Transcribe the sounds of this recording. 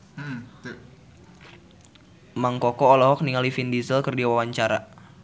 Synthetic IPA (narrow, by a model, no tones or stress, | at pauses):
maŋkɔkɔːlɔɦɔk̚niŋalifindizəlkərdiawawaɲt͡ʃaɾa̰